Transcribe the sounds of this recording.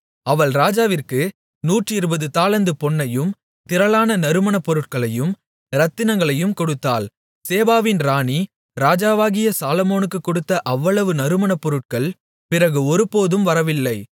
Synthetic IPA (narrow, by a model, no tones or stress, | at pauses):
ɐʋɐɭɾaːd͡ʒaːʋɪrkɯ | nuːʈrɪɾɯbɐðɯt̪aːlɐnd̪ɯpɔɳːɐjɯm | t̪ɪɾɐɭaːnɐnɐɾɯmɐɳɐpːɔɾɯʈ̚kɐɭɐjɯm | ɾɐt̪ːɪnɐŋɡɐɭɐjɯmkɔɽɯt̪ːa̰ːl | seːbaːʋɪnɾaːɳi | ɾaːd͡ʒaːʋaːɣɪjɐsaːlɔmoːnɯkːɯkːɔɽɯt̪ːɐʔɐʋːɐɭɐʋɯnɐɾɯmɐɳɐpːɔɾɯʈ̚kɐɭ | pɪrɐɣɯɔɾɯpoːðɯmʋɐɾɐʋɪlːɐɪ